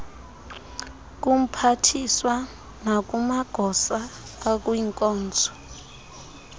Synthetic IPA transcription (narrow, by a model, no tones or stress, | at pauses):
k̬ʼum̩pʰatʰiswa | nak̬ʼumaɡ̥ʱɔsaː | kʼuiŋkʼɔːnd͡zʱɔ̥